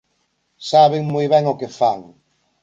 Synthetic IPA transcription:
saβeŋmojβɛŋokefaŋ

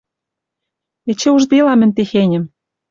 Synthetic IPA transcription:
ĕt͡ɕĕuʒd̪ilɑmɘ̆nʲt̪exenʲɘ̆m

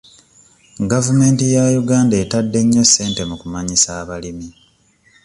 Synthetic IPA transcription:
ɡavume̞ːntijajuɡaːndaeːtadːe̞ɲːe̞sːe̞ːnte̞mukumaɲisaːβalimi

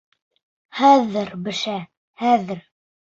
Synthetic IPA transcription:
hæðːɘɾbɘ̆ʃæ | hæðɘɾ

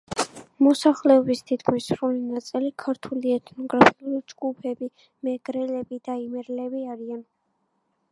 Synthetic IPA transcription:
mɔsaχlɛɔbist̪ʰit̪ʰkʰmisɾulinat̪sʼilikʰaɾt̪ʰuliɛt̪ʰnɔɡɾapʰiulid͡ʒɡupʰɛbi | mɛɡ̥ɾɛlɛbid̪aimɛɾlɛbiaɾian

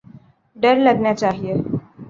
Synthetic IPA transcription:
ɖəɾləɡnjat͡ʃaːɦie

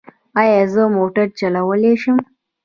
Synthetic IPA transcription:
ajazəmoʈəɾt͡ʃɐlawəleʃɪm

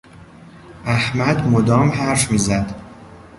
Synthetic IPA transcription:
æhmæd̪mod̪ɒːmhæɾfmiːzæd̪

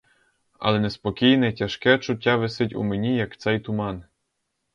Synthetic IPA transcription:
ɐ̰lˠɛnɛspɔkʲijnɛtʲaʃkɛt͡ʃʊtʲːaʋɪsɪtʲṵmenʲijɐkt̪sɛjt̪ʊmɑn

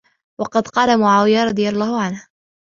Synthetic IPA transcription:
wɑqɑd̪qɑːlamʊʕaːwɪjaɾˤɑd̪ˤɨjalˤːɑːhʊʕanh

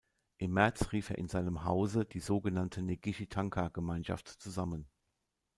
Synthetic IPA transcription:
ʔɪmːɛɐt͡sʁiːfeːɐɪnzaɪnəmɦaʊzəd̥iːzoːɡənantʰəneɡiʃitʰaŋkʰaɡ̥əmaɪnʃa̰ftt͡suzamən

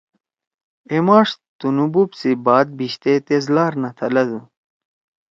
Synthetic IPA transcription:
emɑːʂt̪unubupsibɑːd̪̚biɕt̪et̪ezlaːɾnɐt̪ʰɐlɐd̪u

